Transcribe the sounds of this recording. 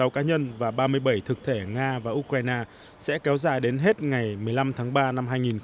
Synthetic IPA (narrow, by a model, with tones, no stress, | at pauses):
a˨˦wkaː˨˦ɲə˧nvaː˨˩ɓaː˧mɨ˧əjɓə˧˩jt̪ʰɨ˨˩k̚t̪ʰe˧˩ŋaː˧vaː˨˩ʔu˧k̚waː˧jnaː˧ | sɛ̰˧˥kɛ˨˦wzaː˨˩jɗe˨˦nɦe˦˥t̚ŋa˨˩jmɨ˨˩əjla˧mt̪ʰaː˨˦ŋɓaː˧na˧mɦaː˧jŋi˨˩n